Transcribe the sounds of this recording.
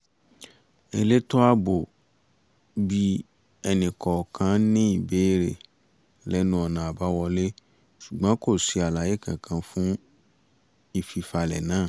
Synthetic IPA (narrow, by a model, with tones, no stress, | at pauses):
e˧˦le˦to˦a˦bo˨ | bi˧ | ɛ˨nĩ˨kɔ˨kʰã˨˦nĩ˦i˨be˦ɾḛ˨ | lɛ˦nũ˧˦ɔ˨nã˨a˨ba˦wɔ˧le˦ | su˨ɡ͡bã˨˦ko˦˨si˦a˨la˨˦je˦kã̰˨kʰã˧fũ˦ | i˨fi˨fa˧lɛ̰˨nãː˦˨